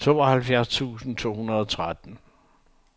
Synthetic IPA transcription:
t͡sʰo̝̰ːɒhælfjæɐst͡sʰṵːsn̩t͡sʰo̝̰ːhunɐðˠɒt͡sʰʁad̥n̩

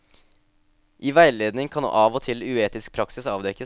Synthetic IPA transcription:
ʔiːʋæɪleːd̪nɪŋkʰɑnṵːʔɑːʋoːt̪ʰɪlʉeːt̪ɪsk̚pʰɾɑksɪsɑːʋd̪ɛkːə

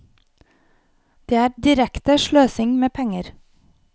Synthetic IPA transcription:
d̪̥eːæːɾd̪ɪɾɛkt̪əʃɭøːsɪŋmeːpʰɛŋəɾ

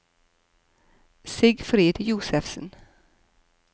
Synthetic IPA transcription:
sɪɡfɾeːd̪juːsɛfsən

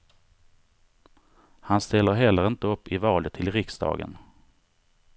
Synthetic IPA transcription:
hanst̪ɛlːəɾɦɛlːəɾɪnt̪əɵpːɪvɑːlət̪ʰːɪlɾɪksd̪ɑ̰ːɡə̰n

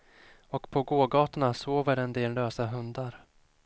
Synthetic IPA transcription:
ɔkpʰɔɡoːɡɑːt̪anasoːvəɾɛnd̪eːlːøːsaɦɵnd̪aɾ

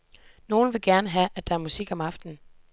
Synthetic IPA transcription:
no̝ːln̩ʋe̝ɡ̥æɐnəɦæʔæd̥ɑ̈æɐmusiɡ̥ɒ̽mɑ̈fd̥n̩

